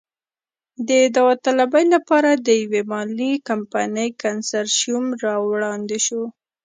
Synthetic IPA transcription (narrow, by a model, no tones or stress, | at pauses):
d̪əd̪awat̪alabajlapɑɾad̪əjawemɑlikampanəjkansaɾʃjumɾɑwɽɑnd̪eʃo